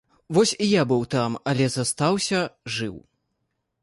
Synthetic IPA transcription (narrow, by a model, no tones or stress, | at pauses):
vɔsʲijabɨwt̪amɐlʲɛzɐst̪awsʲɐʐɨw